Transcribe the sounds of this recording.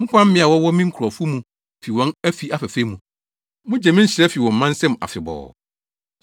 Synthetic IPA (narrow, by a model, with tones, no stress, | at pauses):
mʊ̃˦pʰã˦m̩˦ɪ̃˦a˨wɔ˦wɔ˦mĩ˦ŋ̩˦kʰu˨ɾɔ˨fʊ˦mũ˨ | fi˨wɔ̃˦næ˦fi˨a˦fæ˨fe˦mũ˨ | mʊ̃˦d͡ʑɛ˨mɪ̃˦ɕɪ˨ɾɛ˦fi˨wɔ̃˨m̩ː˦ã˦n˦sɛ̃˦m˨a̰˨fɪ˨bɔ̰ː˨